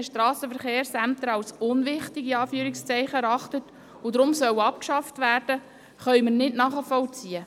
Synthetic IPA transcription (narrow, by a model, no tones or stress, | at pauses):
əʃtrɑːsəfəɾχeːɾsæmt̪əɾɑlsʊnʋɪχtiɡiɑːfyːəɾɪkst͡sɛɪχəɛɾɑχtət | ʊdɾʊmsœwɑp̚kʃɑftvæːrd̥ə | χœʏməɾnɪdnɑːχəfɔlt͡siə